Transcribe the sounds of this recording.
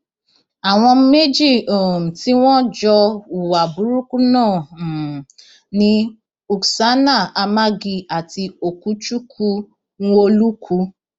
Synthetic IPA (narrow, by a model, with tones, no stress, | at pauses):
a˨w̃ɔ̃˧me˦d͡ʒi˦˨o˨m̩˨ti˨˦w̃ɔ̃˦d͡ʒɔ˧u˨wa˨bu˨˦ɾu˦ku˦nãː˦˨ | nĩ˧˦ | u˨ksa˨˦na˦˨a˧ma˦ɡi˧a˨ti˧o˨ku˨˦t͡ʃu˦kʰu˦ | nũ˦o˧lu˦kʰu˧˦